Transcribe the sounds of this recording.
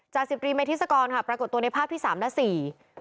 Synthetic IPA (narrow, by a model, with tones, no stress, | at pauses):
t͡ɕaː˨˩k̚si˨˩p̚t̪ɾiː˧ma˧t̪ʰːsa˧kɔː˧nkʰa˥˩pɾa˧ko˨˩t̪ːu˧ə˧na˧jpʰaː˥p̚t̪ʰiː˥˩saː˩˦mlɛ˦˥siː˨˩